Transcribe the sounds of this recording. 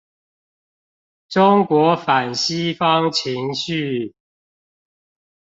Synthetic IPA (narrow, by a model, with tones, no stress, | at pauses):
ʈ͡ʂʊ˦ŋkwɔ˨˥fa˨˩nɕi˦fɑ˦ŋt͡ɕʰi˨˦ŋɕy˥˨